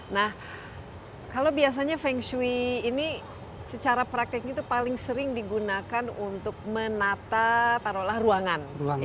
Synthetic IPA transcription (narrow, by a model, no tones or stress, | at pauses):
nah | kalobias̬aɲafɛŋswiːni | sət͡ʃaɾapɾak̚t̪ɪk̚ɲat̪̬upalɪŋsəɾɪŋdiɡunakanunt̪ʊk̚mənat̪at̪aɾolahruaŋanu